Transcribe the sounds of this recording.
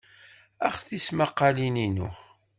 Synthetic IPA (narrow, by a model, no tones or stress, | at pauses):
æχθismaqːɑlininṵ